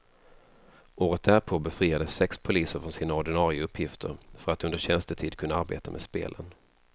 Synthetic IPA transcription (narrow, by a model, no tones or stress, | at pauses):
oːɾət̪̚d̪æɾpʰoːbɛfɾiːad̪əsːɛkspʰʊliːsəɾfɾɔnsiːnaɔɖɪnɑːɾɪʊɵpʰːjɪft̪ʰə̰ɾfœɾat̪ɵnd̪əɕɛnst̪ət̪ʰiːd̪̚kʰɵnːaaɾbḛːt̪ameːd̪spḛːlʔə̰n